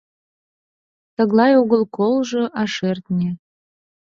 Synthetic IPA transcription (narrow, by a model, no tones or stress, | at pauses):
t̪əɣlˠɑjoɣəlˠkolʒɤ̆ʔɑʃert̪nʲe